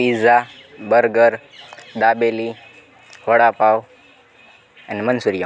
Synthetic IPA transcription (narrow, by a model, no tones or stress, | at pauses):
izabəɾɡəɾ | d̪abeli | həɽapaʋ | anemənsuɾija